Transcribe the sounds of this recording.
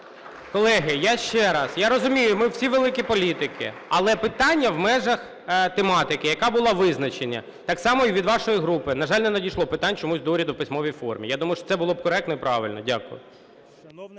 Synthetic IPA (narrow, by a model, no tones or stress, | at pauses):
kɔlˠɛɦɪjaʃt͡ʃɛɾɐsjaɾɔzʊmʲijʊmɪwsʲiʋelˠɪkʲipɔlʲit̪ɪkʰɪ̰ɐlˠɛpɪt̪ɑnʲːɐwmɛʒɐx | t̪emɑt̪ɪkɪjɐkabʊlˠɑʋɪznɐt͡ʃenʲːɐ̰ | t̪ɑksɑmɔiʋʲid̪ʋɑʃɔjiɦɾupɪnɐʒɑlʲnɛnɐdʲijʃlˠɔpɪt̪anʲt͡ʃɔmusʲd̪ɔɾʲɐd̪ʊwpɪsʲmɔʋʲijfɔrmʲḭjad̪umɐjʊʃɔt̪sɛbʊlˠɔb̚kɔɾɛk̚t̪ɔipɾɑʋɪlʲnɔ̰dʲakʊ̰jʊ̰